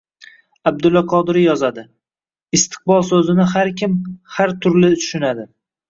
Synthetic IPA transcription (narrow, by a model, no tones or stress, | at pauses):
ab̚d̪ʊlːaqʰɒd̪ɪɾɪjɒzad̪ɪ | ɪst̪ʰɨ̥q̚bɒlˠsɵzɪnɪɦaɾkʲʰɪmhaɾt̪ʰʊɾlɪt̪ʰʊ̥ʃɪnad̪ɪ